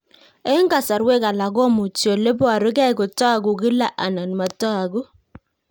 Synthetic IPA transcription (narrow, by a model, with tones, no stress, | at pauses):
e˦ŋɡa˨sa˨ɾwe˦ka˨la˨ɡo˦mu˨t͡ʃo˨le˦bɔ˦a˨ɾɪ˦ɡɛ˦ɪ˨˦kʊ˨tɔ˦a˨ɡʊ˨ɡɪ˦la˦ʔa˨na˨n˨ma˨tɔ˦a˨ɡu˦